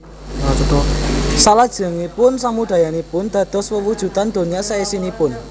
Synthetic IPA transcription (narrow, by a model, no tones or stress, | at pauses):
at͡ʃut̪ʊsalad̥ʒ̥ə̤ŋipʊnsamuɖ̪̥a̤janipʊnd̪̥ä̤d̪̥ɔ̤swəwud̥ʒ̥ṳt̪and̪̥o̤ɲasaisinipʊn